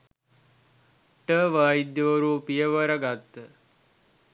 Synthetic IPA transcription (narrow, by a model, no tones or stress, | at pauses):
ʈəʋaːid̪jəʋəɾupijəʋəɾɐɡat̪ːə